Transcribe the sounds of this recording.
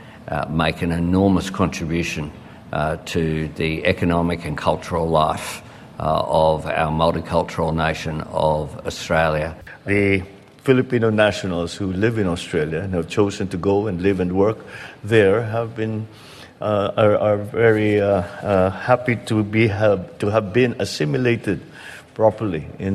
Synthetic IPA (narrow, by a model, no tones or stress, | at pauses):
meɪkɨ̃nɨnɔɹməskʰɑ̃ntɹ̥ɨbjʉʃɨ̃n | tʰɨðiɛkɨnɑmɨkɨ̃nkʰʌlˠt͡ʃə˞l̩ˠlaɪf | ʌva̰ʊə˞mʌlˠtikʰʌlˠt͡ʃə˞l̩ˠneɪʃɨ̃nʌ̰vəstɹ̥eɪlˠjɨ | ðɨ | fɪlɨpĩnoʊnæʃənl̩ˠz̥hulɪvɨ̃nɔstɹ̥eɪlˠjɨnəvt͡ʃoʊzɨ̃ntɡoʊɨ̃nlɪvɨ̃nwɜ˞kðə˞ɦəvbɪ̃n | əə˞vɛɹi | hæpitʰubituəvbɪ̃nəsɪ̃mjɨleɪɾɨd̚ | pʰɹ̥ɔpə˞liɪ̃n